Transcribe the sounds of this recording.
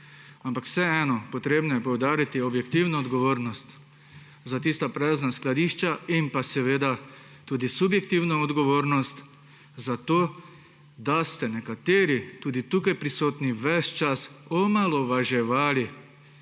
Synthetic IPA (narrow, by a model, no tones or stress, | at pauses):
ampakw̥sɛɛːnɔpot̪ɾeːbnɔjɛpowd̪aːɾit̪iobjɛk̚t̪iːwnoːd̪ɡoʋoːɾnɔst̪ | zat̪iːst̪apɾɛznasklad̪iːʃt͡ʃaimpasɛʋeːd̪a | t̪uːd̪isubjɛk̚t̪iːwnoɔd̪ɡɔʋoːɾnɔst̪ | zat̪oː | d̪ast̪ɛnɛkat̪eːɾit̪uːd̪it̪uːkajpɾisoːt̪niʋɛst͡ʃasɔmalɔʋaʒɛʋaːli